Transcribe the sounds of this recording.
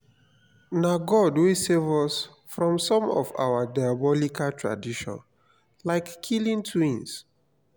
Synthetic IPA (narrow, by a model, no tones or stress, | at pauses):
naɡɔdwisevɔs | fɹɔ̃msɔ̃mɔ̰va̰wadajabɔlikʰaltʰɹa̰diʃɔ̰̃n | laɪkʰːilĩntʰwĩns